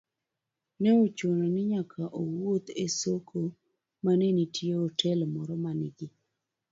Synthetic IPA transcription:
nɛot͡ʃononɪɲakʰaʔowot̪esokʰo | manenitʰjeotʰɛlmɔɾɔmanɪɡɪ

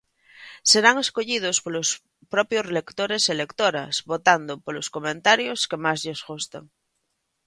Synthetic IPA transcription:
seɾaŋe̞skoʎið̞oskolos | pɾopjosrlekt̪oɾeselekt̪oɾa̰sβot̪and̪opoloskomẽnt̪aɾjoskemazʎezɣust̪a̰ŋ

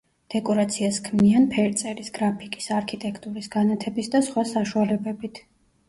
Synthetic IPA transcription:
d̪̥ɛkʼɔɾat̪sʰiaskʰmianpʰɛɾt̪sʼɛɾisɡɾapʰikʼi̥saɾkʰit̪ʼɛkʰt̪ʼuɾisɡanat̪ʰɛbisd̪asχwasaʃualɛbɛbit̪ʰ

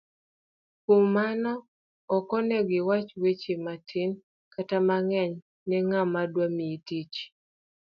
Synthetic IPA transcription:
kummanɔ | ɔkɔnɛɡɪwat͡ʃwet͡ʃematʰɪn | katamaŋɛɲ | nɛŋamadwamiitit͡ʃ

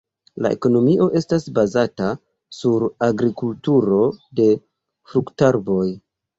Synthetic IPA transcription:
la̰e̞̰ko̞no̞miʔo̞ʔe̞stasbazata | suɾaɡɾikultuɾo̞de̞ | fɾuktaɾbo̞j

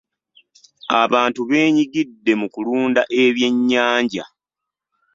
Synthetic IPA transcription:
aβaːntuβe̞ːɲiɡidːe̞mukuluːndaʔe̞βje̞ɲːaːɲɟa̰

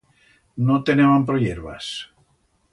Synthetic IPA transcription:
not̪eneβampɾoʎeɾβa̰s

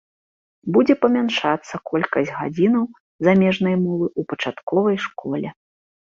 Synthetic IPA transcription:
bud͡zʲɛpɐmʲanʂat̪sːɐkɔlʲkɐsʲɣa̰d͡zʲinɐw | zamʲɛʐnɐjmɔvɨupɐt͡ʂat̪kɔvɐjʂkɔlʲɛ

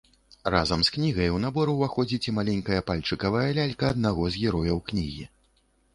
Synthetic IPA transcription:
razɐmsknʲiɣɐjwnabɔɾuwvaxɔd͡zʲit͡sʲimalʲɛnʲkɐjɐpalʲt͡ʂɨkɐvɐjɐlʲalʲkɐːd̪̚naɣɔzɣʲɛɾɔjɐwknʲiɣʲi

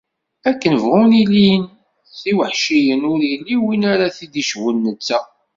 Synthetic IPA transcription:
ækːənəvʁʊnilin | θiwəħʃijənʊɾjilːiwinaɾaθid̪iʃwənːət͡sːæ

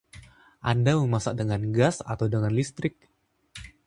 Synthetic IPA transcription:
ʔandaməmasaʔ̚dəŋanɡasa̰t̪awdəŋanlist̪ɾɪk̚

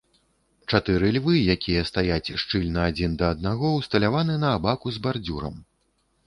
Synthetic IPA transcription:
t͡ʂat̪ɨɾɨlʲvɨjakʲijɐst̪ajat͡sʲʂt͡ʂɨlʲnɐːd͡zʲind̪ɐːd̪naɣɔwst̪ɐlʲavanɨnɐːbakuzbard͡zʲuɾɐ̰m

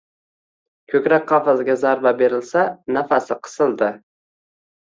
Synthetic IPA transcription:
kʲʰɵkʲɾak̚ʲqʰɑfazɡʲazaɾbabe̞ɾɪlsanafasɪqʰɨ̥sɪlˠd̪ɪ

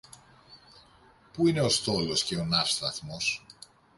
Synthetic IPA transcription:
puine̞o̞st̪o̞lo̞sce̞o̞nɐfst̪ɐθmo̞s

